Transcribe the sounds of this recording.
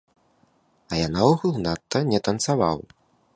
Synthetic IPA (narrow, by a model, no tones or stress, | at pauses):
ɐjanawɣulˠnat̪ːɐnʲɛt̪ɐnt̪savaw